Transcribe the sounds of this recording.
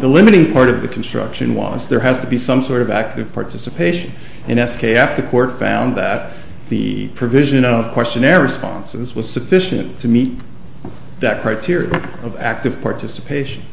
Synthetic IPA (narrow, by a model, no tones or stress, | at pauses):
ðəlɪ̃mɨɾɪ̃ŋpʰɑɹɾʌvðɨkʰn̩stɹ̥ʌ̰kʃɨ̰̃nwʌ̰zðə˞ɦɨz̥təbisʌ̃msɔɹɾʌvæk̚tɨv̥pʰɑ̰ɹtʰɪsɨpʰeɪʃɨ̃n | ɨ̃nɛskʰeɪɛfðɨkʰɔɹtfã̰ʊ̃nðɨt̪̚ | ðɨ̰pʰɹ̥ɨvɪʒɨ̃nʌv̥kʰw̥ɛst͡ʃɨ̃nɛɹɹɨspɑ̰̃nsɪzwʌz̥sɨfɪʃɨ̰̃ntʰɨmit̪̚ | ðɨt̚kʰɹ̥aɪtʰɪɹiɨ̰ | ʌvæ̰k̚tɨv̥pʰɑɹtʰɪsɨpʰeɪʃɨ̃n̩